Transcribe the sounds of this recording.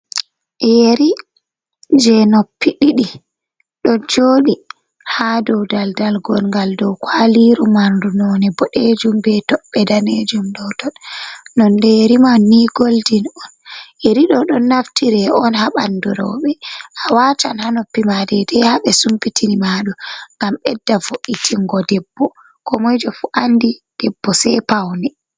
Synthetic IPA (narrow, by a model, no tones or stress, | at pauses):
jeɾi | d͡ʒɛnopːiɗiɗi | ɗɔd͡ʒoːɗi | hadɔwdaldalɡɔlŋɡaldɔwkwaliɾumandunɔnɛbɔɗed͡ʒumbɛtɔɓːɛdaned͡ʒumɗɔtɔɗnɔndɛjeɾimanːiɡoldinɔnʔɛɾiɗɔɗɔnːaftiɾɛɔnhaɓanduɾɔɓɛʔawaːtanhanɔpːimadɛdɛhaɓɛsumpitʰinimaːɗɔŋɡamɓɛdːavoʔitʰiŋɡɔdɛbːɔ | kɔmɔjd͡ʒɔfuʔandid̥ɛbːɔsɛpawnɛ